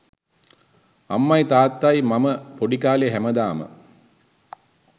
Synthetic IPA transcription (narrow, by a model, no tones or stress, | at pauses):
ɐ̰mːɐjt̪aːt̪ːajmɐməpoɖikaːleɦæməd̪aːmə̰